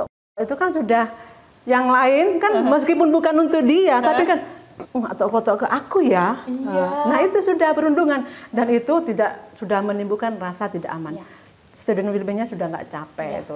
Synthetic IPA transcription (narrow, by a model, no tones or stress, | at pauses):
at̪ɔʔkɔt̪ɔʔit̪ukansudah | jaŋlaɪnkanməs̬kipʊnbukanunt̪ʊk̚diat̪apikanua̰t̪ɔkot̪ɔkəʔakujajanaɦit̪usudahpəɾunduŋandanit̪ut̪idaʔsudahmənimbukanrasat̪ida̰ʔaman | st̪edinwilbəɲasudahŋɡa̰ʔt͡ʃapɛḭt̪u